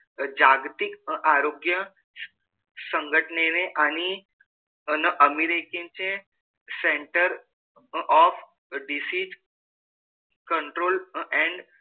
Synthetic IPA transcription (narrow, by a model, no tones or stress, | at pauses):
d͡ʒaɡt̪ikaɾoɡjə | sə̃ŋɡʱəʈɳeneʔani | nəʔəmiɾekẽnt͡ʃʰẽ | sẽɳʈəɾ | ɔf | ɖisid͡ʒ | kəɳʈɾoːlɛ̃ɳɖ